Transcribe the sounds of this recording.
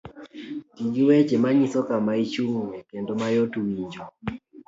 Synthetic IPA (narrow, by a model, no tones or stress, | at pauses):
tiɡiwɛt͡ʃɛmaɲisɔkamait͡ʃuŋwɛkɛndɔmajɔtuwiɲd͡ʒɔ